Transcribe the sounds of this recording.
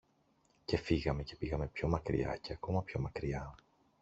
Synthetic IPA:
ce̞fiɣɐme̞ce̞piɣɐme̞pço̞mɐkɾḭɐ̰ce̞ɐko̞mɐpço̞mɐkɾiɐ

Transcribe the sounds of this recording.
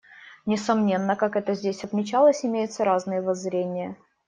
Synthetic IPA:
nʲɪsɐmnʲe̞nːəkakɛt̪əzʲdʲesʲɐt̪mʲɪt͡ɕalˠəsʲɪmʲejʊt̪səɾaznɨjəvɐzɾʲenʲɪjə

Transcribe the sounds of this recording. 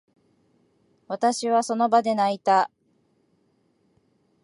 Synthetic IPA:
βat̪aɕiβaso̞no̞bad̪e̞nait̪a

